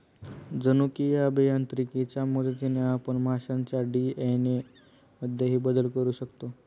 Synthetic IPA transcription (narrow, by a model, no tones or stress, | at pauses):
d͡zənukiabejant̪ɾikit͡ɕjamod̪et̪ineapəɳmaɕãɲt͡ɕaɖiene | məd̪ʱːjeɦiːbəd̪əlkəɾuːɕəkt̪o